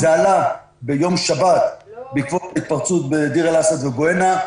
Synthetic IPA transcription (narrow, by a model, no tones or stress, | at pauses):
zaala | bejo̞mʃabat̪bikvot̪ait̪̚paʁt͡sut̪bed̪iʁelasad̪veboena